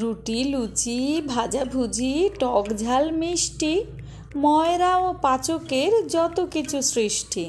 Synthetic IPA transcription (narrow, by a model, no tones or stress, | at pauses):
ɾuʈilut͡ɕibʱad͡ʑabʱud͡ʑiʈɔkd͡ʑʱalmiʃʈi | mɔeɾaopat͡ɕokeɾd͡ʑɔt̪okit͡ɕʰusɾiʃʈʰi